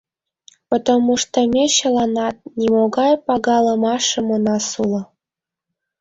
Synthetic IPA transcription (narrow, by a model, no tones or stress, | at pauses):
pot̪omːuʂt̪ə̆mʲeɕɤ̆lɑnɑt̪̚nʲimoɣɑjpɑɣɑlˠɤ̆mɑʃɤ̆monɑsulɤ̆